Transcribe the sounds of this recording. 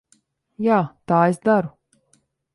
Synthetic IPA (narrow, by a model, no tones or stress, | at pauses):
jaːt̪aːesd̪aɾu